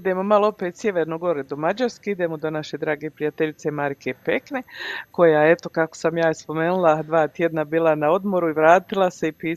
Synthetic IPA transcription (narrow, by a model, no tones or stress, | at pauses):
id̪e̞ːmo̞malˠoopet̪sjeʋeɾnoɡo̞ɾed̪omad͡ʒaɾskeid̪e̞ːmod̪o̞naʃe̞d̪ɾaːɡe̞ːpɾijat̪eʎit̪se̞maɾikʰepekne̞ko̞jae̞t̪o̞kako̥samjaːjespo̞me̞nulˠad̪ʋaːt̪jed̪nabiːlˠanao̞d̪mo̞ɾuiʋɾaːt̪ilˠase̞ipiː